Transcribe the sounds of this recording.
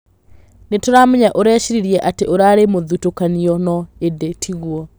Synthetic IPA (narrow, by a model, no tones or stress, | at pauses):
netoɾamuɲaʔoɾɛːʃiɾiɾiɛʔateʔoɾaːɾemoðutokaniɔnɔedetʰiɣwɔ